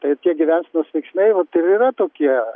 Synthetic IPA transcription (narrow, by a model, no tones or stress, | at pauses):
t̪ɐɪt̪ʲiɛɡʲɪʋʲænsnuɔsʋʲɛɪksʲnʲɛɪʋɐt̪ɪɾiːɾɐt̪oːkʲiɛ